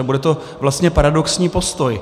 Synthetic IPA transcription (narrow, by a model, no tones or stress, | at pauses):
ɛbudɛt̪o̞ | vlast̪ɲɛpaɾadoksɲiːpo̞st̪oj